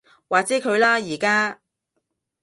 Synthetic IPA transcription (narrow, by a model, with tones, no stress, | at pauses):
waː˨˩t͡sɛː˨˥kʰɵ˨˧ɥlaː˥jiː˨˩kaː˥